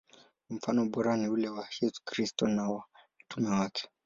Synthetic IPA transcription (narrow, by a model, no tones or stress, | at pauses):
m̩fanɔɓɔɾaniulɛwajɛsu̥kɾistɔnawam̩tumɛwakʰɛ̥